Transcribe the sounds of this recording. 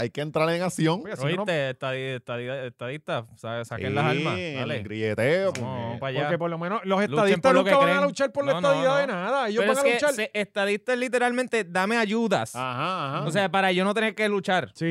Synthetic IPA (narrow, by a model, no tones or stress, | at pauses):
ajkeːnt̪ɾaɾeŋasjoŋasoint̪eeht̪aðiest̪aðiaet̪aðit̪asasakenlasalmasaleɡɾjet̪eoopaʝaɾkepoɾlomẽnosloseluaðiesmt̪aɾluokeaβakɾeaalut͡ʃalpoɾlenaðiðaðenaðaejoeɾobaesaket͡ʃalseest̪aðist̪alit̪e̞ɾalmẽnt̪ed̪ameaʝuða̰sahaːhaos̬eapaɾaʝonot̪e̞neɾke̞lut͡ʃaɾsi